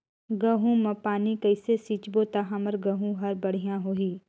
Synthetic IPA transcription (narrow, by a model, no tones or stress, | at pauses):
ɡɐɦũmɐpaːnikɐɪsesiːt͡ʃbot̪aɦãməɾɡɐɦũɦɐɾbɐɽ̤ijãɦoːiː